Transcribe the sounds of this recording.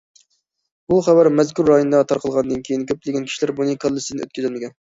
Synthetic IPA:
buχæbæɾmɛzkʲuɾːɑjonɨd̪ɑt̪ʰɑɾqʰəlˠʁɑnd̪ɨnkʲʰejinkʲøp̚lɪɡʲɛnkʲʰi̥ʃilæɾbunɨkʰɑlˠːɨsd̪nø̰t̪kʲʰyzɪlmɪɡʲɛn

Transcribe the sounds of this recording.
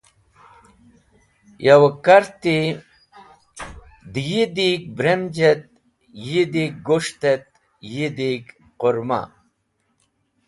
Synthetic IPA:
jɐwkɐɾt̪i | d̪ijid̪ik̚bɾemd͡ʒet̪̚ | jid̪ik̚ɡoʂt̪et̪̚ | jid̪ik | qoɾma̰

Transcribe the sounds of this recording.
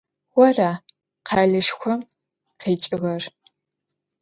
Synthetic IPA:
wɔraː | qʰaːɮɨʂxʷɔm | qʰeːt͡ʃʼɪɣɐr

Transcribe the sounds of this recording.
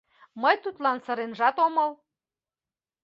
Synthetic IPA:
məjt̪ut̪lɑnsɤ̆ɾenʒɑt̪omɤ̆l

